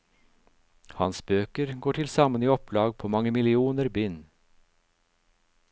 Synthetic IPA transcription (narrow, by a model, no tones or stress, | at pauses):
hɑnsbøːkəɾɡoːʈʰɪlsɑməniːɔplɑːɡ̚pʰoːmɑŋəmɪlɪuːnəɾbʏn